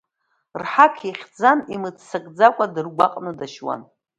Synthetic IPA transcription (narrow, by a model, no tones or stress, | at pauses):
rħakʰiχʲd͡zanimɨt͡ssakʼd͡zakʷʼadɨrɡʷaqʼnɨdaʃwa̰n